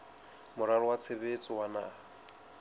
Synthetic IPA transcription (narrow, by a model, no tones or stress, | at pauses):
mʊɾalɔwat͡sʰebet͡sʼɪwanaːha